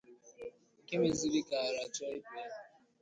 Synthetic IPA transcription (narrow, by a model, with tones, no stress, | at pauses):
ke˦me˨zi˦ɾi˦ka˨a˨ɾa˨t͡ʃɔ˦i˦pe˦